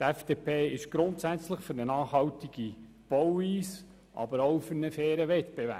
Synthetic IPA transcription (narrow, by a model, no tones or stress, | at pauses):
tɛfd̥eːpeːɪʃɡ̥ɾʊntsæt͡sləχfʏɾnənɑːχhɑwtiɡ̥i | b̥ɔwiːs | ʔɑ̰bəɾoʊfʏɾnəfɛːɾəʋɛtb̥evæ̰ː